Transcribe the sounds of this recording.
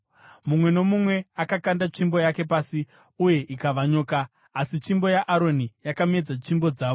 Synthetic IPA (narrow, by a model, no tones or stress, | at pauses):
mumwe̞no̞mumwe̞akakandat͡ʃimbo̞jake̞paːsi | uje̞ʔikaʋaɲo̞ːkaː | sit͡ʃimbo̞jaʔaɾo̞nijakame̞d͡zat͡ʃimbo̞d͡zaːʋo